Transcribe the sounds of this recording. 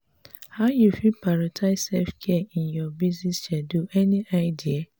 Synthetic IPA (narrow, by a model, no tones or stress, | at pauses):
haʊjufipaɾatʰaɪsɛfkʰɛĩnjɔbiznisʃɛduʔɛniʔaɪdia